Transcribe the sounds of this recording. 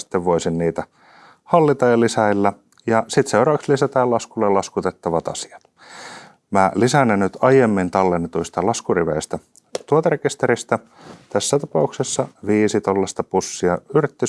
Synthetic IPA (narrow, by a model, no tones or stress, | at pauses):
i̥t̪ːeʋʋoisinniːt̪æ | hɑlːit̪ɑjɑlisæilːæ | jɑsit̪seurɑːʋɑkslisæt̪æːlɑskulːelɑskut̪et̪ːɑʋɑt̪ɑ̰si̥ɑ̥t̪ | mælisænːennyt̪ɑjemːint̪ɑlːenːet̪uist̪ɑlɑskuriʋḛist̪æ | t̪uot̪erekist̪eɾist̪æ | t̪æsːæt̪ɑpɑuksesːɑʋiːsit̪olːest̪ɑpusːiɑyrit̪ːi